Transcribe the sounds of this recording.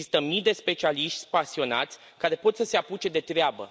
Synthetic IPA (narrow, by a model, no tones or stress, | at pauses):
ist̪əmijd̪e̞spe̞t͡ʃialiʃt̪sʲpasio̞na̰t̪sʲ | kaɾe̞po̞t̪səse̞aput͡ʃe̞d̪e̞t̪ɾeabə̰